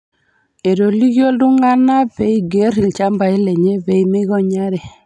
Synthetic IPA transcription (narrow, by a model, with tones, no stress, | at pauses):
e˨ɾo˨li˦ɡjo˦ldu˦ŋɡa˦na˦pe˦i˦ɡe˦ɾi˨lt͡ʃa˦mba˨i˦le˨ɲe˦be˨imi˦ɡo˦ɲa˦ɾe˨